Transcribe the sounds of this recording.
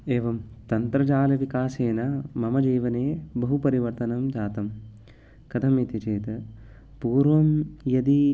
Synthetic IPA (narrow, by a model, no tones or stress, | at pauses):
eːʋɐmt̪ɐnt̪ɾɐd͡ʒaːlɐʋikaːseːnɐmɐmɐd͡ʒiːʋɐneːbɐɦupɐɾiʋɐɾt̪ɐnɐmd͡ʒaːt̪ɐm | kɐt̪ʰɐmit̪it͡ʃeːt̪ɐ | puːɾʋɐmjɐd̪i